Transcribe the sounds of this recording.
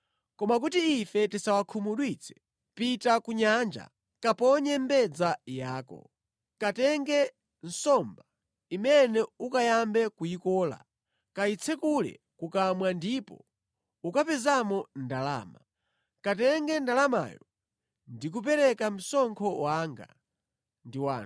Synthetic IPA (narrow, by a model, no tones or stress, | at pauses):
kɔmak̬utiifɛtisawakʰumuɗwit͡sʰɛ̥ | pitakuɲand͡ʒa̰ | kapɔɲɛmbɛd͡zajaːkɔ̰ | katɛŋɡɛ | n̩sɔmba | imɛnɛukajambɛkujikɔːla̰ | kait͡sʰɛkulɛ̰ | kukamwandipɔ̰ | ukapɛzamɔndala̰ːma | katɛŋɡɛndalama̰jɔ | ndik̬up̬ɛɾɛkam̩sɔŋkʰɔwaŋɡa̰ | ndiwaːn